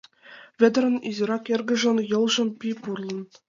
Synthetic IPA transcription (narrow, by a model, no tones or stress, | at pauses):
vʲɘ̆d̪̆ʲɾʲɘ̆nizʲiɾɑkerʲɡʲɘ̆ʒɤ̆njɤ̆lˠʒɤ̆npʲipurlˠɤ̆n